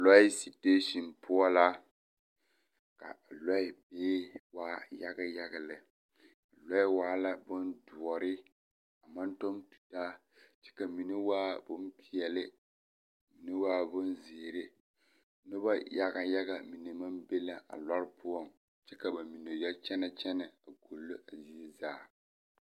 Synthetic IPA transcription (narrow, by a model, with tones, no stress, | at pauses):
lɔ˦ɪ˦si˨teː˦ʃi˨npʰʊ˦ɔ˦la˦ | ka̰˨lɔ˦ɪ˨beː˦waː˦ja˦ɡa˦ja˦ɡa˨lɪ˨ | a˨lɔ˦ɪ˦waː˦la˦bʊ˦ndʊ˨ɔ˨ɾɪ˦ | a˨ma˦n˦tɔ˦mtu̥˨taː˦ | t͡ʃɛ̥˦ka˨mi˨ne˦waː˦bʊ˦n˦pi˨ɛ˨lɪ˦˨ | mi˨ne˦waː˦bʊ˦nzi˨ɾɪ˦ | nʊ˦ba˦ja˦ɡa˨ja˦ɡa˨mi˨ne˨ma˦mbe˦la˦ʔa̰˨la˦ɾɪ˦pʊ˦ɔ˦˨ŋ | t͡ʃɛ˦ka˨ba˨mi˨no˨jɛ˦lt͡ʃɛ˦na˨t͡ʃɛ˦na˨a˨ko˨lːo˦a˨zi˦zaː˦˨